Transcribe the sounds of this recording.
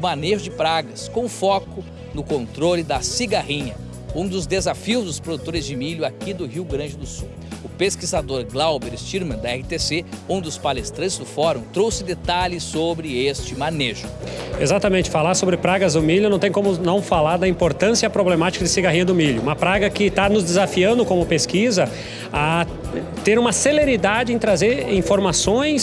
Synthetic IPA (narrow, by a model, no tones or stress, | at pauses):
ʊmaneʒʊd͡ʒɪpɾaɡɐskõʊfɔkʊ | nʊkõnt̪ɾolɪd̪ɐsiɡahĩɲɐ | ũd̪ʊzd̪ezafiʊzd̪ʊspɾod̪ut̪oɾɪzd͡ʒɪmiʎʊakid̪ʊɦiwɡɾɐ̃d͡ʒɪd̪ʊsuw | ʊpeskizad̪oɾɡlawbeɾɪst͡ʃiɾmɐ̃d̪ɐɛhɪt̪eseũd̪ʊspalest̪ɾɐ̃t͡ʃɪzd̪ʊfɔɾũt̪ɾowsɪd̪et̪alɪsobɾɪest͡ʃɪmaneʒʊezat̪ɐmẽnt͡ʃɪ̥falaɾsobɾɪpɾaɡɐzd̪ʊmilʊnɐ̃w̃t̪ej̃kõmʊnɐ̃w̃falaɾd̪ɐĩmpoɾt̪ɐ̃siɐpɾoblemat͡ʃi̥kɐd̪ɪsiɡaɦĩɲɐd̪ʊmiʎjʊũmɐpɾaɡɐkɪt̪anʊzd̪ɪzafiɐ̃nd̪ʊkõmʊpeskizɐ | a | t̪eɾũmɐseleɾid̪ad͡ʒɪẽt̪ɾazeɾĩfoɾmasõj̃s